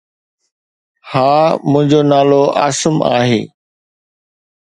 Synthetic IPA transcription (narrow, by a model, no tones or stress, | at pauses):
haːmʊ̃ɦɪ̃ɲd͡ʑonaːloʔa̰ːsəma̰ːɦḛː